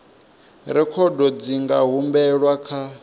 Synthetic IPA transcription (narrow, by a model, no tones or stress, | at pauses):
ɾɛkʰɔdɔd͡ziŋɡa̰ɦumbɛɺwakʰa